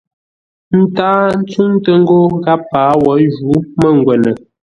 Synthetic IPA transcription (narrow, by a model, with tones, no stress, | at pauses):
n̩˦taː˦n̩˦t͡su˦ŋtə˦ŋ˦ɡo˦ɡa˦paː˨˦wɔ˨˦ʒu˨˦mə˦˨ŋ˨ɡwɛ˨nə˨